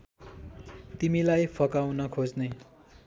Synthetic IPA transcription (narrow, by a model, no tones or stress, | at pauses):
t̪imilajpʰʌkawnʌkʰod͡zne